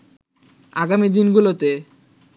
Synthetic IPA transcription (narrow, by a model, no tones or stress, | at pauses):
aɡamid̪inɡulot̪e